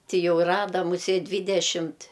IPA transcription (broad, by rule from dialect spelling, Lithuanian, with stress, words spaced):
ˈtʲɪ ˈjɛʊ ˈrɑːdɐ mʊˈsʲeːtʲ ˈdʲʋʲiːdʲɛʃʲɪmʲtʲ